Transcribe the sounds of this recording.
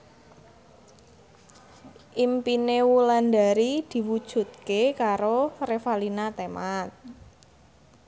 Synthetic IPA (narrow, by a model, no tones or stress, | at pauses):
ʔimpinewulanda̤ɾid̪̥i̤wud̥ʒ̥ṳt̪̚kekaɾorefalinat̪emat̪̚